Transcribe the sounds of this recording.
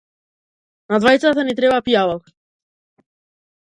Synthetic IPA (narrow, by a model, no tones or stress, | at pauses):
nad̪vajt̪sat̪anit̪ɾɛbapijalɔk